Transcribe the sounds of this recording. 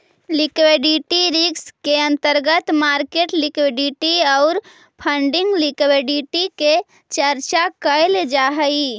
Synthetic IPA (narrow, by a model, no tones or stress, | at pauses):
likweɖiʈiɾikskeə̃nt̪əɾɡət̪maɾkeʈlikwiɖiʈiɔʊɾ | pʰəɳɖiŋɡlikweɖiʈike | t͡ʃəɾt͡ʃakəjld͡ʒaɦəi